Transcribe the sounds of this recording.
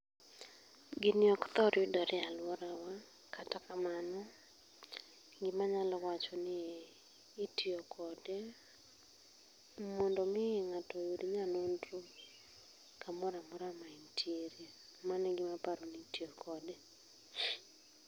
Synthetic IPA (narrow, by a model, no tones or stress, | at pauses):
ɡɪnɪɔkt̪ɔɾjudɔɾɪalwɔɾawa | katakamanɔ | ɡɪmaɲalɔwat͡ʃɔnɪː | tiɔkʰɔdɛ | mɔndɔmɪŋatɔjodiɲanondru | kamɔɾamɔɾamaintʰieɾja | manɛɡɪmapaɾonitiɔkʰɔdɛ